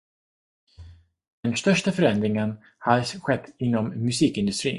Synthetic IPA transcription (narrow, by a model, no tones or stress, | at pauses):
d̪̥ɛnst̪œʂʈafœɾɛnd̪ɾɪŋən | had̪sɧɛt̪ːɪnːɔmːɵsiːkɪnd̪ɵst̪ɾḭː